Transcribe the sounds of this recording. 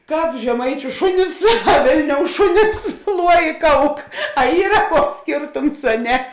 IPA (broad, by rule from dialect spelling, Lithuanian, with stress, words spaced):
ˈkɑːp ʒʲɛˈmɐɪt͡ʃʲʊ ˈʃʊnʲɪs ɐ ˈʋʲeːlʲnʲoːʊ ˈʃʊnʲɪs ˈlˠuɔ ɪ ˈkɐʊk ɐ ˈiːrɐ ˈkuɔks ˈsʲkʲeːrtʊms ɐ ˈnʲɛ